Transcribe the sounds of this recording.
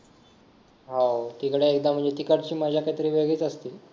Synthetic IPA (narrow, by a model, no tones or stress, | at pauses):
ɦat̪ikɽeːk̚d̪am̤əɳd͡ʑet̪ikəʈt͡ɕiːmad͡ʑʱjakaɦit̪əɾiːʋeɡiːt͡səst̪iː